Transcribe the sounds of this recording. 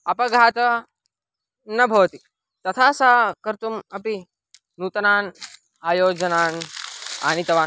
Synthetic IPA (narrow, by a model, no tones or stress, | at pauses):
ɐpɐɡʱaːt̪ɐ | nɐbʱoːt̪i | t̪ɐt̪ʰaːsaːkɐɾt̪umɐpi | nuːt̪ɐnaːn | aːjoːd͡ʒɐnaːna̰ːnit̪ɐʋaː